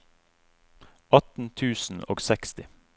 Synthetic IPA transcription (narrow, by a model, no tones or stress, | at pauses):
ɑt̪n̩t̪ʰʉːsn̩o̰ːɡsɛkst̪ɪ